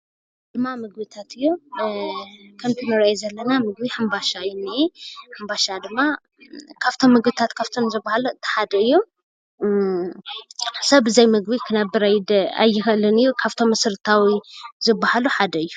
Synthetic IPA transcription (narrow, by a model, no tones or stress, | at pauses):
d̪̥ɨmːamɨɡ̚bit̪ʰat̪ɨjːu | kʰɐnt̪ʰinɐɾajzɐlːɐnamɨɡbiħɨmbaʃajɪnːiħɨmbaʃad̪ɨmːa | kʰaβt̪ʰo̞mːɨɡbit̪ʰat̪kʰaβt̪ʰo̞mzɨbːahaluɨnt̪ʰɨ̥ħad̪ɐɨjːu | sɐβɨzɐjmɨɡbikʰɨnabɨɾajd̪a̰jːɪxɐlːɨnɨjːukʰaβt̪ʰo̞mɨsɨɾɨt̪ʰawizɨbːahaluħad̪ɐɨjːu